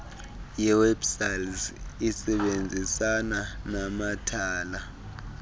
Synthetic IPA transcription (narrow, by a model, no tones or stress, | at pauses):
jɛwɛbsalzisɛɓend͡zʱisananamatʰaːla